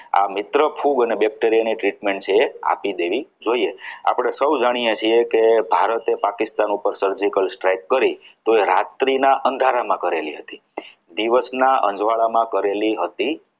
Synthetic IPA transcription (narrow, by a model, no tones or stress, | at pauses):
a̰mɪt̪ɾəpʰuɡənebɛk̚ʈeɾijaniʈɾiʈmeɳʈ̚t͡ʃʰeːa̰pid̪eʋid͡ʒoiea̰pɽ̃esəwd͡ʒaɽ̃ijet͡ʃʰiekebʱaɾət̪epakɪst̪anupəɾsəɾd͡ʒikəlsʈɾajkːəɾit̪oeɾat̪ɾinaʔənd̪ʱaɾamãkəɾeliɦət̪i | d̪iʋəsnaʔə̰̃ɲd͡ʒʋaɭamãkəɾeliɦət̪i